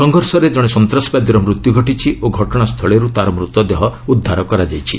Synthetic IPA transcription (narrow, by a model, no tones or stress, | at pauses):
sɔŋɡʱɔɾsɔɾed͡ʒɔɽ̃esɔnt̪ɾɔsbad̪ɾɔmɾut̪juɡʱɔʈit͡ʃʰiʔoɡʱɔʈɔɽ̃ast̪ʰɔɭeɾut̪aɾɔmɾut̪ɔd̪eɦɔud̪ʱːaɾɔkɔɾad͡ʒajt͡ʃʰḭ